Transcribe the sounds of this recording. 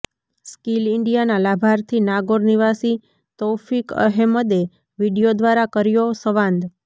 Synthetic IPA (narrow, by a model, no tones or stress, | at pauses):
skilɪɳɖijanalabʱaɾt̪ʰinaɡoɾniʋasi | t̪ɔfikə̰ɦɛməd̪e | ʋiɽijod̪ʋaɾakəɾjosəʋãnd̪